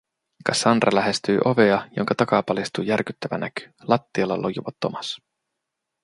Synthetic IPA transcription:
kɑsɑnrʔɑlæɦe̞st̪yːʔoʋeɑjoŋkɑt̪ɑkɑpɑlist̪uːjærkyt̪ːæʋænæky̥lɑt̪ːiɑlːɑlʔojuʋɑt̪ːomɑs

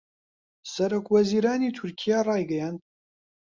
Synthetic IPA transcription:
sɐɾoːkʰwɐziːɾaːniːt̪ʰʊɾkʰijarˤɑːjɡɛjaːnd̪̚

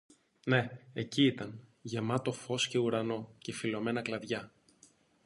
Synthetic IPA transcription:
ne̞eciit̪ɐnʝe̞mɐt̪o̞fo̞sce̞uɾɐno̞ce̞filo̞me̞nɐklɐðʝɐ

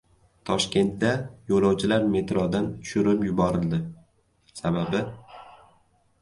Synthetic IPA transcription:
t̪ʰɒʃkʲe̞nt̪̚d̪ajolˠɒwt͡ʃʰɪlaɾme̞t̪ɾɒd̪ant̪ʰʊ̥ʃʊɾɪpjʊbɒɾɪld̪ɪ | sababɪ

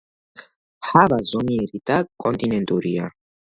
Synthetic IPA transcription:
ħavazɔniɛɾid̪akʼɔnt̪ʼinɛnt̪ʼuɾia

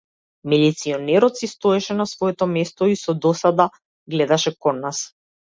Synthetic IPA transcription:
milit̪siɔnɛɾɔt̪sist̪ɔɛʃɛnasvɔɛt̪ɔmɛst̪ɔisɔd̪ɔsad̪a | ɡlɛd̪aʃɛkɔnːas

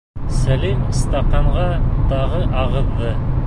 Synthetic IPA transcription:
sælimst̪ɑqɑɴʁɑt̪ɑʁɤʔɑʁɤ̆ðːɤ

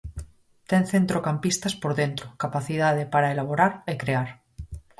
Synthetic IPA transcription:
t̪enθent̪ɾokampist̪aspo̞ɾðent̪ɾokapaθiðað̞epaɾaelaβ̞oɾaɾekɾeaɾ

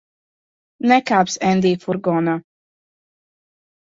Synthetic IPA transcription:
nɛkaːpsɛnd̪iːfuɾɡɔna

